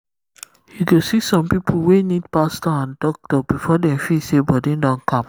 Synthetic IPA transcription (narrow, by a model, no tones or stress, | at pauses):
hiɡosisɔ̃mpipʰəlwenid̚pastɔãndɔk̚tɔbifɔdɛ̃mfisebɔdẽndɔ̃nkʰãm